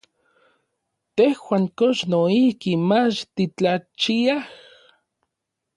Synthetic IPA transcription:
t̪ehwaːŋkoʃnoihkimat͡ʃt̪it͡ɬat͡ʃiah

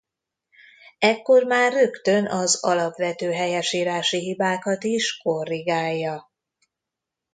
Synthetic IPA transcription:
ɛkːo̞rmaːrːø̞kt̪ø̞nʔɒzɒlɒpʋɛt̪øːɦɛjɛʃiːɾaːʃiɦibaːkɒt̪iʃko̞rːiɡaːjːɒ

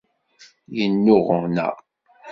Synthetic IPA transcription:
jənːʊʁnæ̰

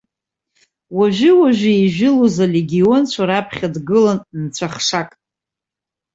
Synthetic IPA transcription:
waʒʷᶣɪwaʒᶣaiʒᶣɪluzaleɡʲio̞nt͡ɕʷʰaɾapʰχʲadɡɨlannt͡ɕʷʰaχʂakʼ

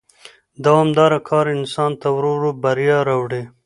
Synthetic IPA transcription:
d̪ɑwamd̪ɑɾakʰɑːɾɪnsɑnt̪awɾoɾobaɾjɑɾawɽe

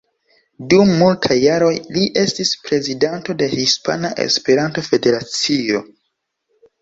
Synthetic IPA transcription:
dumːultʰajːaɾo̞jliʔe̞stispɾe̞zidanto̞de̞hispa̰naʔe̞̰spe̞ɾantofe̞de̞ɾat͡sio̞̰

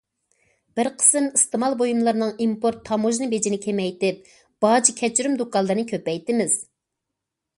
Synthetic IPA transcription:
b̥ɪɾqʰə̥sɨmist̪ɨmɑlˠbojumlˠɨɾnɨŋimpoɾt̪ʰːɑmoʒnɨbed͡ʒinɪkʲʰemɛjt̪ɪp̚ | b̥ɑd͡ʒikʲʰɛt͡ʃyɾymd̪okɑlˠːɨɾɨnɨkʲʰøpɛjt̪ɪmɪz̥

